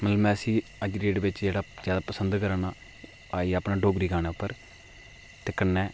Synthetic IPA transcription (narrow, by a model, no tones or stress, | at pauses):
mət̪ləbmɛ̃ːəsĩːəd͡ʒɾeːʈʋɪt͡ʃd͡ʒeːɽaːzjaːd̪aːpəsənd̪kəɾaːnaː | aːiːəpnaːɖoːɡɾiːɡaːñɛːʊpːəɾ | t̪eːkənːɛː